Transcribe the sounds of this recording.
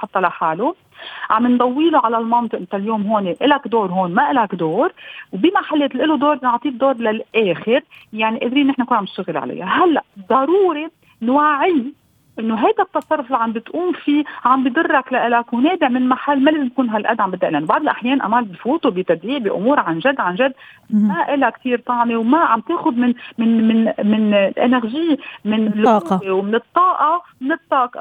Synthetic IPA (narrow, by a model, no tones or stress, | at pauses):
ħɑt̪ˤːɑlaħaːlu | ʕa̰mbɪnd̪ˤɑwːiːlʊʕalalmɑnt̪ˤɨʔɪnt̪aljoːmɦoːneʔɪlakd̪oːɾɦoːnmaʔɪlakd̪oːɾwbimaħalːeːt̪lʔɪlud̪oːɾˤnɑʕt̪ˤiːd̪oːɾˤlalʔeːxɪɾjaʕniʔeːd̪ɾiːnːɪħnankuːnʕamnɪʃt̪aɣɪlʕa̰la̰jːaɦalːaʔd̪ˤɑɾuːɾe | nwaʕɪj | ʔɪnːoɦajd̪at̪ːɑsˤɑrˤːʊfliʕambɪt̪ʔuːmfiːʕambjd̪ʊrˤːaklaʔɪlakwneːb̪ɪʕmɪnlmaħalːmalaːzɪmt̪kuːnɦalʔa̰d̪ːʕambɪt̪ːaʔlʔanobɑʕd̪ˤɪlʔaħjeːnʔa̰maːlbifuːt̪ubɪt̪ad̪ɾiːʕbiʔʊ̰muːɾʕanʒad̪ːʕanʒad̪ː | maʔɪlakt̪iːɾt̪ˤɑʕmewmaʕambt̪eːxʊd̪mɪnmɪnmɪnmɪnlʔɪ̰naxʒiːmɪnlːʊuːbewmɪnɨt̪ˤːɑːʔɑmɪnɨt̪ˤːɑːʔ